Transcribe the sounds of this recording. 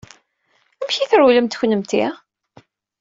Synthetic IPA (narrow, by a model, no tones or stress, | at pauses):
æmçiθəɾuləmt̪çnəmt̪i